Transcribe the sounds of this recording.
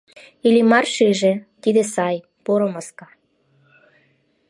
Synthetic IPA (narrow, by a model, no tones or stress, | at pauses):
ilʲimɑrʃiʒĕt̪id̪esɑj | poɾomɑskɑ